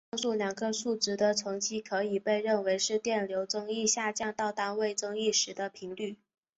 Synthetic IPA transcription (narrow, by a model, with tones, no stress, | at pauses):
ɑ˥˧ŋsu˥˩ljɑ˨˩ŋɡə˦ʂu˥˩ʈ͡ʂɻ̩˥˩d̪ə˧t͡sʰɤ˧˥ŋt͡ɕi˥kʰɤ˧˥i˨˩pe˥˧ɪɻə˥˩nwe˧˥ɪʂɻ̩˥˧t̪jɛ˥˩nljo˧˥ʊt͡sɤ˥ŋi˥˧ɕja˥˧t͡ɕjɑ˥˧ŋt̪ɑ˥˩ʊt̪a˥nwe˥˩ɪt͡sɤ˥ŋi˥˩ʂɻ̩˧˥d̪ə˧pʰi˧˥ŋly˥˩